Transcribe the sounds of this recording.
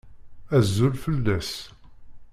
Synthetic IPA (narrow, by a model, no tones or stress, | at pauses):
æzːulfəlːæs